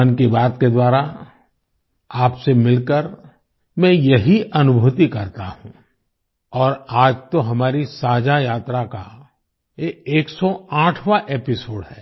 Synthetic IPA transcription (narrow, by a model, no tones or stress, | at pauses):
nkibaːt̪ked̪waːɾa | aːpsemɪlkəɾ | mɛ̃jɐɦiʔɐnʊbʱuːt̪ikɐɾt̪aɦũ | ɔːɾaːd͡ʒt̪oɦɐmaːɾisaːd͡ʒajaːt̪ɾaka | jeeːksɔãːʈʰʋaʔeːpɪsoːɖɦɛː